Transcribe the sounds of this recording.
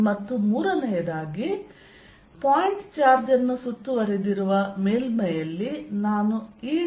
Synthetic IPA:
mɐt̪ːumuːɾɐnɛjɐd̪aːɡi | paːjiɳʈt͡ʃaːɾd͡ʒɐnːusut̪ːuʋɐɾɛd̪iɾuʋɐmeːlmɐjɐlːinaːnuiː

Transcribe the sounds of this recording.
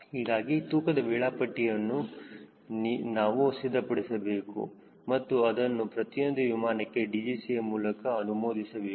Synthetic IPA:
hiːɡaːɡit̪uːkɐd̪ɐbɛːɭaːpɐʈːijɐnːu | nnaːʋusid̪ʱːɐpɐɽesɐbe̞ːkṵ | mɐt̪ːuɐd̪ɐnːupɾɐt̪ijo̞nd̪uʋimaːnɐkːe̞ɖiːd͡ʒiːsijɐmuːlɐkɐːnumoːd̪isɐbeː

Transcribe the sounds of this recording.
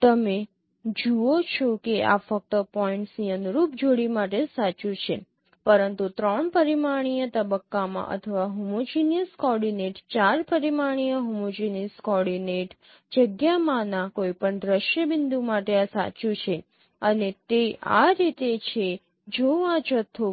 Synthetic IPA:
t̪əme | d͡ʒuot͡ʃʰokea̰fək̚t̪əpɔĩɳʈsiənɾupd͡ʒoɽimaʈesat͡ʃut͡ʃʰe | pəɾənt̪ut̪ɾəɳpəɾimaɽ̃ijət̪əbəkːamã̰ʔə̰t̪ʰəʋaɦumod͡ʒinijəskɔɖineʈt͡ʃaɾpəɾimaɽ̃ijəɦumod͡ʒiniskɔɽineʈ | d͡ʒəɡjamãnãkoipəɳd̪ɾəʃjəbɪnd̪ʱumaʈeasa̰t͡ʃut͡ʃʰe | ənet̪ea̰ɾit̪et͡ʃʰe | d͡ʒoʋãd͡ʒət̪ʰːo

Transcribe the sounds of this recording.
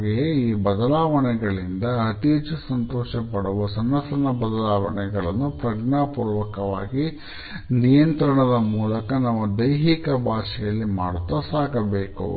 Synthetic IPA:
ɡijeiːbɐd̪ɐlaːʋɐɳɛɡɐɭind̪ɐːt̪iːt͡ʃusɐnt̪oːʂɐpɐɽuʋɐsɐnːɐsɐnɐbɐd̪ɐlaːʋɐ̰ɳɛɡɐɭɐnːupɾɐʈnaːpuːɾʋɐkɐʋa̰ːɡi | nijɐnt̪ɾɐɳɐd̪ɐmuːlɐkɐnɐʋːɐd̪ɐjɦikɐbʱaːʂɛjɐlːima̰ːɽt̪ːɐsaːkɐbeːkṵ

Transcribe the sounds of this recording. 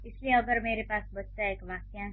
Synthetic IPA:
ɪslieɐbəɾmeːɾepaːsbɐtt̪aeːkʋaːkjã

